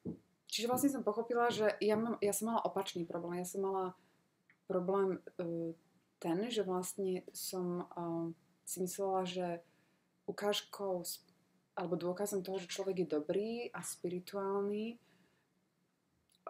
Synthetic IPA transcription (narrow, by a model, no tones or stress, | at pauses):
t͡ʃiʒɛʋlasɲɛs̬ɔmpɔxɔpilaʒɛjamamjasɔmːalaʔɔpat͡ʃniːpɾɔblɛːmjasɔmːala | pɾɔblɛːm | t̪ɛnʒɛʋlast̪ɲɛsɔm | simislɛlaʒɛ | ʔukaːʃkʰɔʊs | ʔalɛbɔd̪ʊɔkazɔmt̪ɔɦɔʒɛt͡ʃlɔʋɛɡjɛd̪ɔbɾiːʔaspiɾit̪uaːlniː